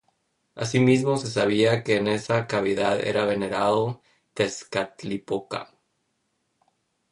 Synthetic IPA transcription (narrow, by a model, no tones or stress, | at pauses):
a̰simizmo̞se̞s̬aβ̞iake̞ːne̞sakaβiðaðḛɾaβe̞ne̞ɾaðo | t̪e̞skat̪lipoka̰